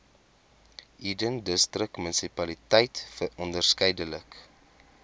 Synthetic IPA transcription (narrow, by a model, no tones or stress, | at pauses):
ʔidəndəstrəkmənsipɐlitəjtfərɔndərskəjdələk